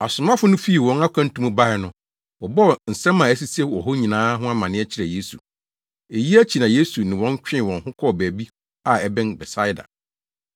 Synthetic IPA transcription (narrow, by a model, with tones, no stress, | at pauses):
a˨sʊ˨mã˦fʊ˦nʊ̃˦fi˦i˨wɔ̃˨na˦kʷʰã˦n̩˦tʰũ˦mũ˦ba˦ɪ˨nʊ̃˨ | wɔ˨bɔ˦˨n̩˨sɛ̃˦mːã˨æ˦s̬i˦sɛ˦wɔ̰˨ɦɔ˦ɲĩ˨nãː˦ɦʊ̃˦a˦mã˨nɪ̃˦ɛ˦t͡ɕʰɪ˦ɾɛ˨je˦sṵ˨ | e˨ji˦æ˦t͡ɕʰi˨nã˨je˦su˨nɪ̃˨wɔ̃˦ɲ˦t͡ɕᶣɪ̃˦˨wɔ̃˨nhʊ̃˦kʰɔ˦˨bæː˨bi˦ | a˦˨ɛ˨bɪ̃˦nbɛ˨sa˦ɪ˦da̰˨